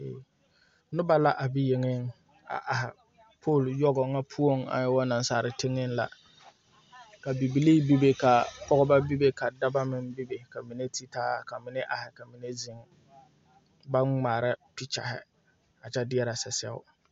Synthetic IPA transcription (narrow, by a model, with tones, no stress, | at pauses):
nʊ˦ba˦la˦ʔa˨bi˦je˨ŋɪ˦ŋ | a̰˨ʔa˨ɦɪ̰˨ | pʰoː˦˨ljɔ˦ɡɔ˨ŋa˦pʰu˦o˦ŋa̰˨ɲɪ˦wɔ˦na˨nsaː˨ɾɪ˨tɪ˦ŋɪ˦nla̰˨ | ka˨bi˨bi˨liː˦bi˦be˦ka˨pɔ˦ɡɔ˦ba˦bi˦be˦ka˨da˦ba˦mɪ˦nbi˦be˨ka˨mi˨ne˦tʰi˦taː˦ka˨mɪ˨ne˦ʔa˨hɪ˨ka˨mi˨ne˦zɪ˨ŋ | ba˦nŋ͡maː˨ɾɪ˦ti˦t͡ʃa̰˨hɪ̰˨ | a˨t͡ʃɛ˦dɪ˦ɛ˦ɾa˨sɛ˨sɛ̰˦ʊ̰˦